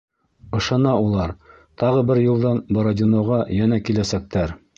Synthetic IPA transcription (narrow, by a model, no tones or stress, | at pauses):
ɤ̆ʃɑnɑulˠɑɾ | t̪ɑʁɤbɘɾjulˠd̪ɑnboɾodʲɪnŏʁɑjænækilæsæk̚t̪æɾ